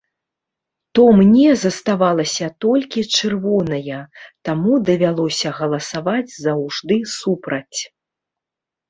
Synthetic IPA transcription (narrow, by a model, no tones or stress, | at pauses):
t̪ɔmnʲɛzɐst̪avalˠɐsʲɐt̪ɔlʲkʲit͡ʂɨrvɔnɐjɐt̪amud̪ɐvʲalˠɔsʲɐɣɐlˠɐsavad͡zʲzɐwʐd̪ɨsupɾɐt͡sʲ